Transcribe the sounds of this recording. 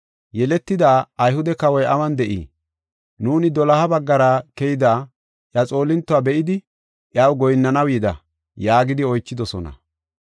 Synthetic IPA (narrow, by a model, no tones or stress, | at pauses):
jɛlɛt̪ːɪd̪aːjhʊd̪ɛkɐwɔjʔɐmɐnd̪ɛʔḭː | nuːnɪd̪ɔlɐhɐbɐɡːɐɾaːkɛjɪd̪aː | ʔjat͡sʼo̞ːlɪnt̪ːʊabɛʔɪd̪ɪ | ʔjawɡɔjnːɐnɐwjid̪ɐ̰ | jaːɡɪd̪ɪɔjt͡ʃːɪd̪ɔsɔnɐ̰